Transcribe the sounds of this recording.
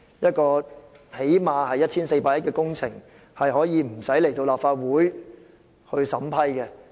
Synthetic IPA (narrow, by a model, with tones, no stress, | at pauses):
jɐ˥t̚kɔː˧he˨˥jmaː˧hɐ˨jːɐ˥t̚ʰiː˥nse˧jpaː˧t̚jɐ˥t̚kɛː˧kʊ˥ŋt͡sʰɪ˨˩ŋ | hɐ˨jɦɔː˨˥jiː˨˧m̩˨˩sɐ˨˥jle˨˩jt̪o˧wlaː˨p̚faː˧t̚wuː˨˥j | hɵ˧ɥsɐ˨˥mpʰɐ˥jkɛ˧